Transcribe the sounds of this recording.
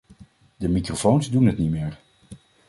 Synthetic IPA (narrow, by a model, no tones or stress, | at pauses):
dəmikrofownzdunɦətnimɪːɹ